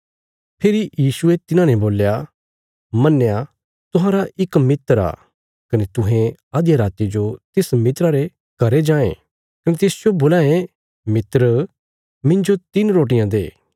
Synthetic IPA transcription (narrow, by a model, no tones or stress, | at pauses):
pʰeːɾijiːsʊet̪ɪnãnɛboːlja | mɐnːja | t̪ʊɦãːɾaʔɪkmɪt̪əɾa̰ː | kɐnet̪ʊɦẽaːd̪jaɾaːt̪id͡ʒot̪ɪsmɪt̪ɾaɾe | kɐɾed͡ʒãːḛ̃ː | kɐnet̪ɪsd͡ʒoboːlaːẽ | mɪt̪ɾə | mɪ̃ɲd͡ʒot̪ɪnɾoːʈ̬ɪjãd̪ḛː